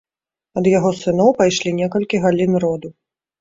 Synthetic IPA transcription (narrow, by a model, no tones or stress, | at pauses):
ɐd̪jaɣɔsɨn̪ɔwpajʂlʲinʲɛkɐlʲkʲiɣalʲinrɔd̪u